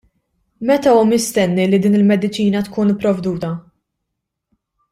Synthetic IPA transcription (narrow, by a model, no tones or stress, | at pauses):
mɛt̪ɐuːmɪst̪ɛnːilːid̪iːnɪlmɛd̪ɪt͡ʃiːnɐt̪kuːnɪpːɾɔvd̪uːt̪ɐ